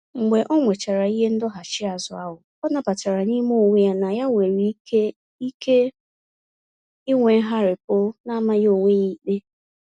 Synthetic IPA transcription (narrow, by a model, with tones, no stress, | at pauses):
ŋ͡m̩˨ɡ͡be˨ʔɔ˦ŋʷe˨t͡ʃa˨ɾa˨i˦ɦe˦n̩˦dʊ˦ɦa˨t͡ʃɪ˦a˨zʊ˨a˦ɦʊ˨ | ɔ˦na˦pa˨t͡ʃa˨ɾa˨ni˦mo˦o˨wʷe˦ja˦na˨ja˦wʷe˨ɾi˨˦e˦ | i˦ke˦ | ɪ˦ŋʷe˨˦ɦa˦ɾɪ˨pʊ˦na˦ma˦jo˨ŋʷe˦ɲi˦k͡pe˦